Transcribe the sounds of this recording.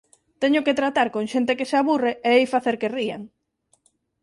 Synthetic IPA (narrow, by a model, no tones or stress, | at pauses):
t̪eɲʊket̪ɾat̪aɾkoŋʃent̪ekeseaβureeejfaθeɾkeriaŋ